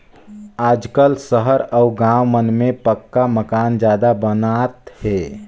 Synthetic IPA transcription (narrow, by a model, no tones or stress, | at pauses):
aːd͡ʒkəlsəɦəɾɔʊɡãːwmənmẽpəkːaməkaːnd͡ʒjaːd̪abənat̪hɛ